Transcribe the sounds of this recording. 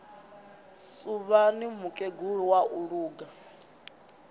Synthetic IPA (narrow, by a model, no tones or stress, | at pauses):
suβanimukʼeɡuɺiwaʔuɺuːɡa